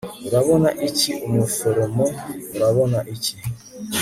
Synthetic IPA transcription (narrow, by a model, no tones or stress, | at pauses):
uɾaβonaʔiciʔumufoɾomouɾaβonaʔici